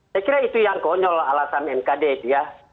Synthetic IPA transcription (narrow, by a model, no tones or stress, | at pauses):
sakiɾait̪ujaŋkɔɲɔlalasanɛmkadɛit̪uja